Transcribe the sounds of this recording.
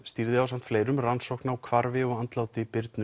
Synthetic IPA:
st̪iɾðɪaws̬am̥t̪fleːjɾʏmransowhknawkʰvaɾvɪɔɣant̪laːwt̪ɪpɪɾt̪nʏ

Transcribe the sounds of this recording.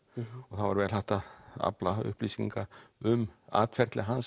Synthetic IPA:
ɔθaðvaɾvɛːlɦaht̪aa̰plaʏ̰hpliːsiŋkaʏma̰ːt̪fɛɾt̪lɪɦans

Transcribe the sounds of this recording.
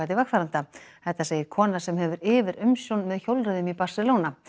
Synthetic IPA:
at̪ɪvakfaɾant̪aθɛht̪ːaseːjɪkʰɔːnasɛmɦɛvʏɾɪːvɪɾʏmsjownmɛðçowlɾʏðʏmipar̥sɪlowna

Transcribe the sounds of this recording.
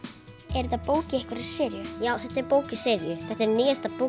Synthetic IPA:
ɛɾt̪apoːwcɪɛhkaɾḁsɪːɾjʏjaːwθɛht̪ɛɾpoːwcɪsɪɾjʏθɛht̪ːɛɾniːjast̪apo

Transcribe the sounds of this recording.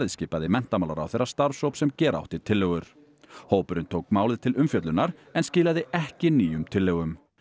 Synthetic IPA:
ɪðscɪːpaðɪmɛn̥t̪amaːlaɾa̰wθejrːast̪aɾsowpsɛmcɛːɾa̰wht̪ɪ̥t̪ʰɪlːœɣʏɾ̥ | hoːwpʏɾʏnt̪ʰoːwkmaːwlɪðt̪ʰɪlʏmfjœt̪lʏnːaɾɛnscɪːlaðɪɛhcɪniːjʏmt̪ʰɪlːœɣʏm

